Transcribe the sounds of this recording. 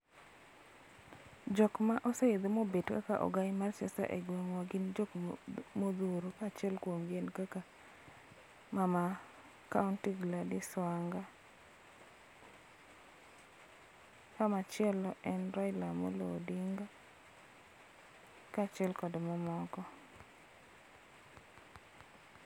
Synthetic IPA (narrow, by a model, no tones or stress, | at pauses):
d͡ʒɔkmaʔɔsɛed̪omobedkakaʔɔ̰ɡaɪmart͡ʃɛ̰sta̰ʔḛɡweŋwaɡɪnd͡ʒokmod̪uɾokat͡ʃɛlkwomɡenkaka | mama | kaʊntiɡladɪswaŋɡa | kamat͡ʃɛlɔʔɛnɾajlamo̰lo̰diŋɡa | kat͡ʃɛlkɔdmɔmɔkɔ